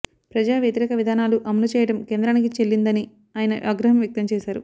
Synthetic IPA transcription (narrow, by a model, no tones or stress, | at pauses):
pɾɐd͡ʒaːʋjet̪iɾɛːkɐʋid̪ʱaːnaːluʔɐmɐlut͡ʃɛːjɐʈɐmkeːnd̪ɾaːnik̬it͡ʃe̞lːind̪ɐni | aːjɐnɐ̰ʔaːɡɾɐɦɐmʋjɐk̚t̪ɐmt͡ʃɛːʃaːɾu